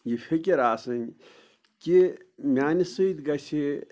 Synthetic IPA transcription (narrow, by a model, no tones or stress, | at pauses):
jipʰekʲeɾaːsɐn | kimʲaːnisɨid̪ɡɐsi